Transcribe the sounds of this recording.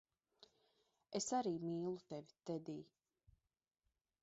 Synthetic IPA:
esaɾiːmiːlˠut̪ɛvʲi̥t̪ɛd̪iː

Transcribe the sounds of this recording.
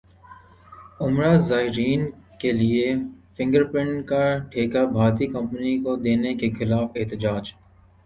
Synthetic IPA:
ʊmɾaːzaːɪɾiːnkeliefɪ̃ŋɡəɾpɪ̃ɳɖkaʈʰeːkabʱaːɾt̪ikɐ̃mpənikod̪eːnekexɪlaːfɪɦt̪ɪd͡ʒaːd͡ʒ

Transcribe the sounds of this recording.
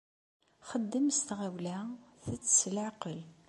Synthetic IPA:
χəd̪ːəmst̪ʁæwlæθət͡sːslʕaqəl

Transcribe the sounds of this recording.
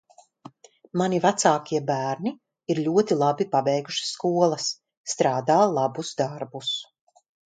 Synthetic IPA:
manivat̪saːkʲiɛbæːɾni | iɾʎʲuɔt̪ilˠabipabɛjɡuʃi̥sːkuɔlˠɐsː | t̪ɾaːd̪aːlˠabusd̪aɾbus

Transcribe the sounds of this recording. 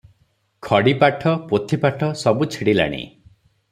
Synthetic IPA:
kʰɔɽipaʈʰɔpot̪ʰipaʈʰɔsɔbut͡ʃʰiɽila̰ɽ̃ḭ

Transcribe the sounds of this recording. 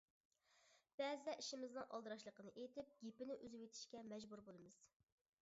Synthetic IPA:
b̥ɛzd̪ɛʔiʃɪmɪznɨŋʔɑ̰lˠd̪ɨɾɑʃlˠəqənɨʔejt̪ʰɪp̚ɡʲepɪnɪʔyzɪwet̪ʰɪ̥ʃkʲɛmɛd͡ʒbuɾbolˠɨmɨz̥

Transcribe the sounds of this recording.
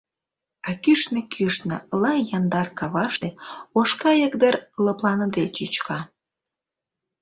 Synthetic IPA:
ɑkyʃnĕkʰyʃnə̰lɑjɑnd̪ɑrkɑβɑʃt̪eoʃkɑjəkd̪əɾləplɑnəd̪et͡ɕyt͡ɕkʰɑ

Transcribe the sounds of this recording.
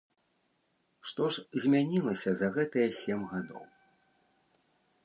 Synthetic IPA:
ʂt̪ɔʂzʲmʲanʲilˠɐsʲɐzɐɣɛt̪ɐjɐsʲɛmɣad̪ɔ̰w

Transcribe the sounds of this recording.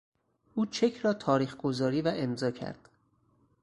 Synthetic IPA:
ʔuːt͡ʃʰe̞cʰɾɒːt̪ʰɒːɾiːxɡ̥o̞zɒːɾiːvæʔe̞mzɒːcʰæ̰ɾd̪̥

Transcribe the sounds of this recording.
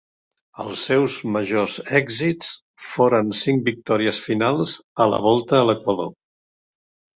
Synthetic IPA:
ə̰lˠsɛwzməʒozɛɡzit͡s | foɾənsiŋ̚bik̚t̪ɔɾiəsfinalˠzələ̰β̞ɔlˠt̪əːləkwəðo̰

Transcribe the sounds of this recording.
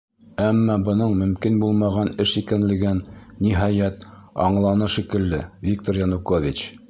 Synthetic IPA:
æmːɑbɤ̆nɤɴmɵ̆mkinbulˠmɑʁɑnɘʃikænlɘ̆ɡɘnːiɦɑjæt̪ɑ̰ɴlˠɑnɤʃikɘ̆lːɘvʲik̚t̪oɾjɑnukovʲit͡ɕ

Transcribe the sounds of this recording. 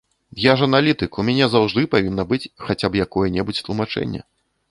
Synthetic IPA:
jaʐɐnalʲit̪ɨkumʲanʲɛzawʐd̪ɨpavʲinːɐbɨt͡sʲxat͡sʲapjakɔjɛnʲɛbut͡sʲt̪lˠumat͡ʂɛ̰nʲːɛ̰

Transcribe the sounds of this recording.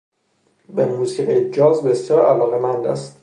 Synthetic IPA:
bemuːsiːʁijed͡ʒɒːzbe̞sjɒːɾʔælɒːɣemænd̪æ̰st̪

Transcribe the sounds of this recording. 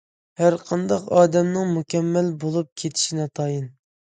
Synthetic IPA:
hæɾqʰɑnd̪ɑqɑːd̪ɛmnɨŋmukʲɛmːɛlbolˠup̚kʲʰet̪ʰɪ̥ʃinɛt̪ʰɑjin

